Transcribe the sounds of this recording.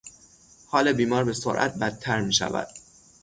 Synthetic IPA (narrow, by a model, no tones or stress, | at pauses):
hɒːlebiːmɒːɾbe̞so̰ɾʔæ̰t̪̚bæd̪̚ʰæɾmiːʃæ̰væ̰d̪̥